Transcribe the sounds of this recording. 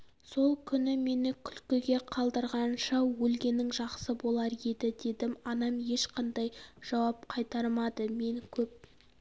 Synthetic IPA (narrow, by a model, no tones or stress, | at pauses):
so̞lˠkʲʰʏnɪme̞nɪkʲʰʏlkʲɪɡʲe̞qʰɑlˠd̪əɾʁɑnʃɑwɵlɡʲe̞nɪŋʒɑqsəbo̞lˠɑɾe̞d̪ɪd̪e̞d̪ɪmɑnɑmje̞ʃqɑnd̪ɑjʒ̥ɑwɑp̚qʰɑjt̪ɑɾmɑd̪əme̞ŋkʲʰɵp̚